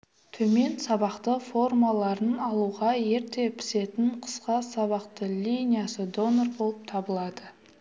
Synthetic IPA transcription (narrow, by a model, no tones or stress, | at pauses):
t̪ʰɵme̞nsɑβɑqt̪əfo̞rmalˠɑɾənɑlˠuʁɑje̞ɾt̪e̞pʰɪ̥se̞t̪ɪɴqʰə̥sqɑsɑβɑqt̪əlʲijnʲijasəd̪o̞norbo̞lˠəp̚t̪ʰɑbəlˠɑd̪ə